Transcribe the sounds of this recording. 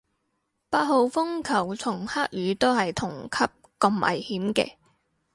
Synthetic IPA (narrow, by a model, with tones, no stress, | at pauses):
paː˧t̚ho˨wfʊ˥ŋkʰɐ˨˩wt͡sʰʊ˨˩ŋhaː˥k̚jyː˨˧˥t̪o˥wɦɐ˨jt̪ʰʊ˨˩ŋkʰɐ˥p̚kɐ˧mʔɐ̰˨˩jhiː˨˥mkɛ̰ː˧